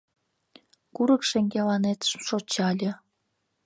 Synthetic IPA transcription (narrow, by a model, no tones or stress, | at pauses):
kuɾə̆kʃeŋɡʲelɑnet̪mʃot͡ɕɑlʲə̆